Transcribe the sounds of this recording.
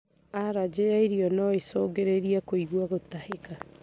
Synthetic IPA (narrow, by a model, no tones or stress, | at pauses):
aɾad͡ʒejaeɾiɔnɔesoːɡeɾeɾiakoiɣwaɣotaheka